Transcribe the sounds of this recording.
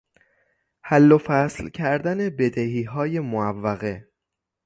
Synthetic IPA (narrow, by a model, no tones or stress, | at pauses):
hælːofæslcʰæɾd̪æne̞be̞d̪ehiːɦɒːje̞moævːæɣe̞